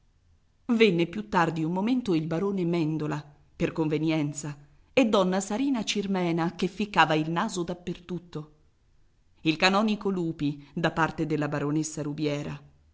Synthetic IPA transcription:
venːepjut̪ːard̪iumːoment̪oilbaɾoːnemɛnd̪ola | perkoɱvenjɛnt̪sa | ed̪ːɔnːasaɾiːnat͡ʃirmɛːnakefːikːaːvailnaːzod̪apːert̪ut̪ːo | ilkanɔːnikoluːpid̪apːart̪ed̪elːabaɾonesːaɾubjɛːɾa

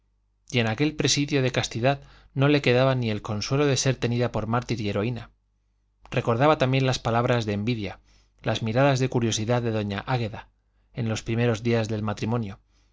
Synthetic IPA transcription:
ie̞nake̞lpɾe̞siðjo̞ðe̞kast̪iðað | no̞le̞ke̞ðaβanie̞lko̞nswe̞lo̞ðe̞se̞ɾt̪e̞niðapo̞ɾmaɾt̪iɾie̞ɾo̞ina | re̞ko̞ɾðaβat̪ambje̞nlaspalaβɾazðe̞ːmbiðja | lazmiɾaðazðe̞kuɾjo̞siðaððe̞ðo̞ɲa̰ʔaɣeða | e̞nlo̞spɾime̞ɾo̞zðiazðe̞lmat̪ɾimõ̞njo̞

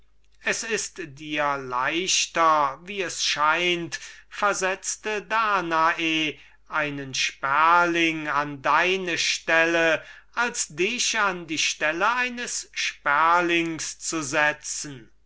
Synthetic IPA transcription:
ɛsɪstdiːɐla̰ɪʃtɐviːɛsʃaɪntfɛɐzɛt͡stədaːnae | ʔaɪnənʃpæɐlɪŋandaɪnəʃtɛləalsd̥ɪʃandiːʃtɛləaɪnəsʃpæɐlɪŋst͡suzɛt͡sn̩

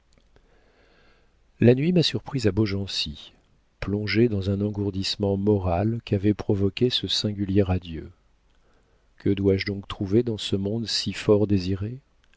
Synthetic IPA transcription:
lanɥimasyʁpχizaboʒɑ̃si | plɔ̃ʒed̪ɑ̃zɛ̃nɑ̃ɡuʁd̪ismɑ̃mɔʁalkʲavɛpχɔvɔkʲesəsɛ̃ɡʲyljeʁad̪jø̰ | kəd̪waʒd̪ɔ̃kt̪χuved̪ɑ̃səmɔ̃d̪sifɔʁd̪eziʁe

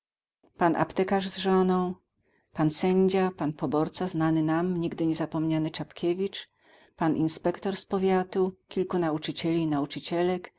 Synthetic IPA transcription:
pana̰pt̪ɛkaʐzʐɔnɔ̃w̃ | pansɛɲd͡ʑapanpɔbɔɾt̪saznanɘnamɲiɡd̪ɘɲɛzapɔmɲanɘt͡ʂapkʲɛvʲit͡ʂ | paninspɛkt̪ɔɾspɔvʲjat̪ukʲilkunaut͡ʂɘt͡ɕɛlʲiːnaut͡ʂɘt͡ɕɛlɛk

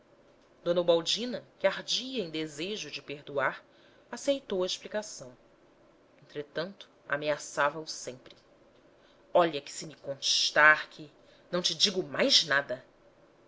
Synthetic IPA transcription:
d̪̥õnɐbawd͡ʒĩnɐkɪaɾd͡ʒijɐẽj̃d̪ezeʒʊd͡ʒɪpeɦd̪uaɾ | asejt̪owɐɪʃplikasɐ̃w̃ | ẽnt̪ɾet̪ɐ̃nt̪ʊ̥a̰measavɐusẽmpɾɪ | ɔʎɐkɪ̥sɪmɪkõnt̪e̥ʃt̪aɾkʰɪ | nɐ̃w̃t͡ʃɪd͡ʒiɡʊmajznad̪ɐ

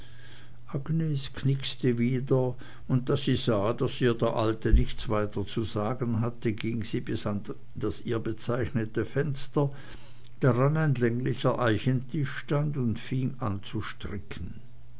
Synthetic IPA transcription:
ʔaɡneskʰnɪkstəviːdɐ | ʊnt̚d̥asiːzaːdasʔiːɐdeːɐʔaltənɪçt͡sv̥aɪtɐt͡suzaːɡənɦatəɡiŋz̥iːbɪsan | d̥asʔiːɐbət͡saɪçnətəfɛnstɐ | d̥aʁanaɪnlɛŋlɪçɐʔaɪçəntʰɪʃːtandʊntfiːŋant͡suʃtʁ̥ɪkʰən̩

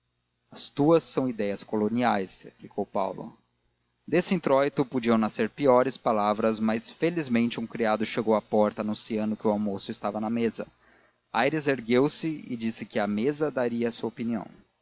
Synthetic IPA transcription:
ɐst̪uɐsːɐ̃w̃id̪ɛjɐskoloniajsheplikʰowpa̰wlʊ̰ | d̪esɪĩnt̪ɾɔjt̪ʊpod͡ʒiɐ̃w̃naseɾpiɔɾɪspalavɾɐzmɐsfelizmẽnt͡ʃɪũkɾiad̪ʊʃeɡowapɔɾt̪ɐaːnũsiɐ̃nd̪ʊkɪʊawmosʊɪst̪avɐnɐmezɐ̰ | ajɾɪzeɾɡewsɪɪ̰d͡ʒisɪkɪɐmezɐd̪aɾiɐsuɐopiniɐ̰̃w̃

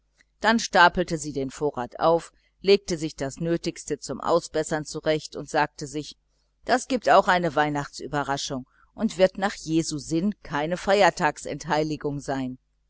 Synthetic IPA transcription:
d̥anʃtaːpl̩təziːdeːnfoːɐʁa̰ːtʔa̰ʊf | leːk̚təzɪçd̥asnøːtɪçstət͡sʊmʔa̰ʊsb̥ɛsɐnt͡suʁɛçtʊntz̥aːk̚təzɪç | d̥asɡ̥iːp̚taʊxʔaɪnəvaɪnaχt͡sʔy̰ːbɐʁaʃʊŋ | ʔʊntv̥ɪɐtnaːχjeːzuzɪnkʰaɪnəfaɪɐtʰaːksɛ̰ntɦaɪlɪɡʊŋzaɪn

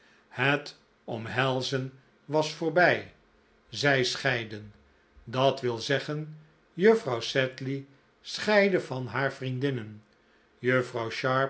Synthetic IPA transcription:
hət | ɔmɦɛlˠzən | ʋɑsfʊːɹbɛj | zɛjsχɛjdən | dɑtʋɪlˠzɛχən | jɵfrɑwsɛtli | sχɛjdəvɑnɦaːɹfrindɪnən | jøfrɑwʃɑɹ

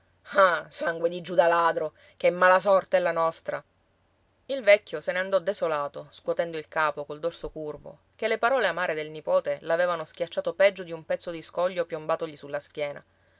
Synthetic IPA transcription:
asaŋɡwed̪id͡ʒud̪alaːd̪ɾo | kɛmːalasɔrt̪eɛlːanɔst̪ɾa | ilvɛkːoseneand̪ɔd̪esolaːt̪oskwot̪ɛnd̪oilkaːpokold̪orsokurvo̰ | kelːepaɾɔːleamaːɾed̪elnipoːt̪elavɛːvanoskʲjat͡ʃːaːt̪opɛd͡ʒːod̪iumpɛt̪sːod̪iskɔʎːopjombaːt̪oʎːisulːask̟jɛːna̰

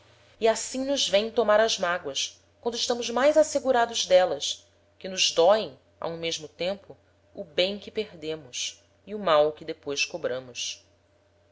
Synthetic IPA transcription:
iasĩnʊzvẽj̃t̪omaɾɐzmaɡwɐs | kwɐ̃nd̪ʊɪʃt̪ɐ̃mʊzmajzaseɡuɾad̪ʊzd̪ɛlɐs | kɪnʊzd̪ɔẽj̃ | a̰wũmeʒmʊt̪ẽmpʊː | bẽj̃kɪpeɦd̪ẽmʊs | iʊmawkɪd̪epojskobɾɐ̃mʊs

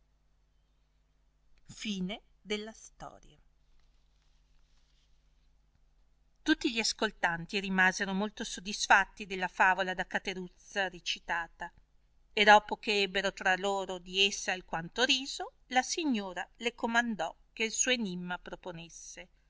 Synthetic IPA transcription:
fiːned̪elːast̪ɔ̰ːɾja | t̪ut̪ːiʎiaskolt̪ant̪iɾimaːzeɾomolt̪osod̪ːisfat̪ːid̪elːafaːvolad̪akat̪eɾut̪sːaret͡ʃit̪aːt̪a | ed̪ɔːpokeɛbːeɾot̪ɾaloːɾod̪iesːailkwant̪oɾiːzo | lasiɲːoːɾalekomand̪ɔkeilsuːenimːapɾoponesːe

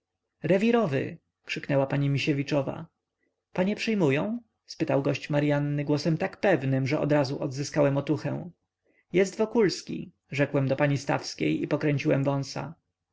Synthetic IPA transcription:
ɾɛvʲiɾɔvɘ̰ | kʂɘknɛwapaɲimʲiɕevʲit͡ʂɔva̰ | paɲɛpʂɘjmujɔ̃w̃ | spɘt̪awɡɔɕt͡ɕmaɾjanːɘɡwɔsɛmt̪akpɛvnɘmʐɛʔɔ̰d̪ɾazuʔɔd̪zɘskawɛmɔt̪uxɛ̰̃w̃ | jɛst̪vɔkulskʲḭ | ʐɛkwɛmd̪ɔpaɲist̪a̰fskʲḛjipɔkɾɛɲt͡ɕiwɛmvɔ̃ñsa̰

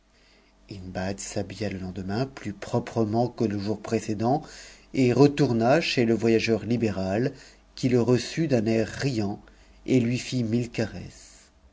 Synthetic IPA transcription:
inbad̪sabijaləlɑ̃d̪əmɛ̃plypχɔpχəmɑ̃kələʒuʁpχesed̪ɑ̃eʁət̪uʁnaʃeləvwajaʒœʁlibeʁal | kʲiləʁəsyd̪ɛ̃nɛʁːijɑ̃ | elɥifimilkaʁɛ̰s

